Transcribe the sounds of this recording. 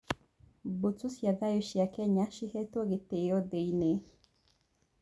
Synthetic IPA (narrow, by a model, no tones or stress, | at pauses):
bot͡susjaɡajoʃjakɛɲaʃihɛt̪oɡɪt̪ejɔd̪ejne